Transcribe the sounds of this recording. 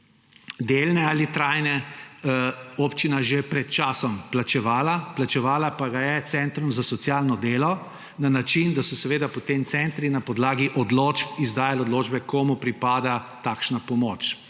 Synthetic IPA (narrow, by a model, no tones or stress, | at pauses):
d̪eːlnɛalit̪ɾaːjnɛ | opt͡ʃinaʒepɾɛt̪t͡ʃaːsɔmplat͡ʃɛʋaːlaplat͡ʃɛʋaːlapaɡajɛt̪sɛnt̪ɾumzasɔt̪sjalnɔd̪eːlɔ | nanat͡ʃind̪asɔsɛʋeːd̪apɔt̪emt̪sɛnt̪ɾinapɔd̪laːɡiʔɔd̪loːt͡ʃpizd̪aːjalod̪loːd͡ʒbɛkoːmupɾipaːd̪at̪aːkʃnapɔmoːt͡ʃ